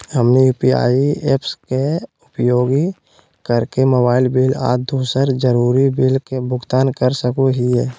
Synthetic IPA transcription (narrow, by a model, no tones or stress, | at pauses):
həmnijuːpia̰ːieːpskeʊpjoːɡi | kəɾkemobaːɪlbila̰ːd̪uːsəɾd͡ʒəɾuːɾibilkebʊɡt̪aːnkəɾsəkuɦiɛː